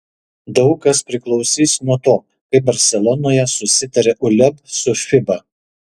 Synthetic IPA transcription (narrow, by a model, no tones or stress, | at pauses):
d̪ɐʊkɐspʲɾʲɪklˠɒʊsʲiːsnuɔt̪oː | kɐɪp̚bɐɾʲsʲɛlˠɔnoːjɛsʊsʲɪt̪ɐɾʲeʔʊlʲɛpsʊfʲɪbɐ